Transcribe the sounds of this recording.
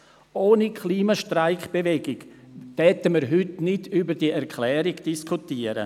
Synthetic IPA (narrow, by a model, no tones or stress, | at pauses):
ʔoːnikʰliːmaʃtraɪkb̥evɛɡɪɡvɛtəməɾɦʏtnɪdybəd̥iɛɾkʰlɛːɾɪɡd̥iskʰutiːəɾə̰